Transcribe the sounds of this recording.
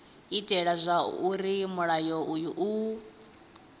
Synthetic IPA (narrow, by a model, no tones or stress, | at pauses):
itʼɛɺazʷauɾimuɺajɔujuʔu